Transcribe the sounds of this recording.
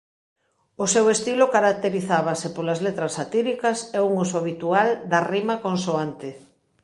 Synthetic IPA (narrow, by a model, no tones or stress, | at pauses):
ʊsewest̪ilokaɾak̚t̪eɾiθaβasɪpolɐzlet̪ɾɐsːat̪iɾikɐsɛuŋusoaβit̪uald̪ɐrimakõnsoant̪ɪ